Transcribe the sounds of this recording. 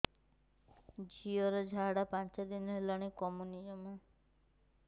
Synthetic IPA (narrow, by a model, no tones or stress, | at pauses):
d͡ʒiɔɾɔd͡ʒʱaɽapant͡ʃad̪inɔɦelaɽ̃ikɔmuniɔma